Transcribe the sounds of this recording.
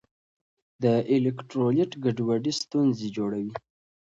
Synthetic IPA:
d̪əʔelekʈɾolɪʈɡaɖwaɖist̪unzed͡ʒoɽawi

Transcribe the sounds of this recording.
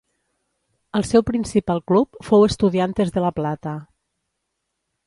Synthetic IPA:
əlˠsɛwpɾinsipalˠklupfowəst̪uðiant̪ezðələplat̪ə

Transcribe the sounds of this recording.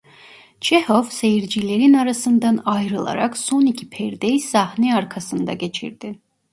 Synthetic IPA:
t͡ʃehovse̞jiɾd͡ʒilʲe̞ɾinaɾasɯnd̪anajɾɯlˠa̰ɾa̰kso̞nicʰi̥pʰɛɾd̪ejsahniaɾkʰasɯnd̪a̰ɟe̞t͡ʃʰḭɾd̪̥i

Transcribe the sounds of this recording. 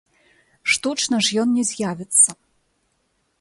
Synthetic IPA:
ʂt̪ut͡ʂnɐʐjɔnːʲɛzʲjavʲɛt̪sːɐ

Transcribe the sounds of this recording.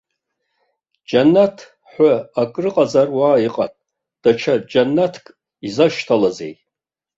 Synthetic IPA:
d͡ʒanːatʰ | ħʷaakʼrɨqʼazarwaːiqʼa̰tʼ | d̥at͡ʃʰad͡ʒanːatʰkʼ | izaʃtʰalazḛjʼ

